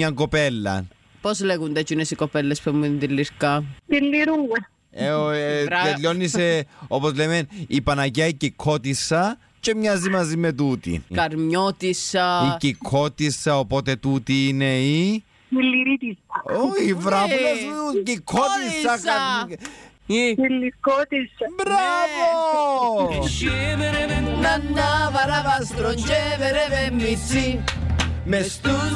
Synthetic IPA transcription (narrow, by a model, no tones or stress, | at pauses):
ɲɐŋkopelːɐ̰ | pozleɣund̪ɐt͡ʃunesikopelːespemund̪ilːiɾkɐt̪ilːiɾuŋɡɐ | eot̪elːonːiseopozlemenipɐnɐcɐicikʰːot̪isːɐ | t͡ʃemɲazimɐzimet̪̬ut̪ḭkɐɾmɲot̪isɐicikʰot̪isːɐopot̪et̪ut̪iːnei | ilːiɾit̪isɐoçivɾɐunɐzucikʰːot̪isːɐkɐ | ilːikot̪isɐbɾavo | nɐnd̪ɐvɐɾɐvɐst̪ɾoɲd͡ʒeveɾevemːisi | mest̪u